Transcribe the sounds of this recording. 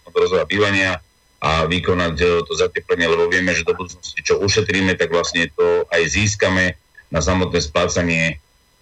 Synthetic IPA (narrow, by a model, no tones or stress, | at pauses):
ɔd̪ɾɔzɔjabiːʋaɲɪa | ʔaʋikɔnact̪ɔzacɛplɛɲɪɛlɛbɔʋɪɛmɛʒɛd̪ɔbud̪uːt͡snɔscit͡ʃɔuʃɛt̪ɾiːmɛt̪aɡʋlasɲɛt̪ɔajziːs̬kamɛ | nas̬amɔt̪nɛːsplaːt͡saɲɪɛ